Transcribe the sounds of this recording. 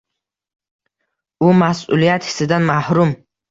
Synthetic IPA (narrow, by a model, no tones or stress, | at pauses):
ʊmasṵlijat̪hɪ̥sɪd̪anmahɾʊm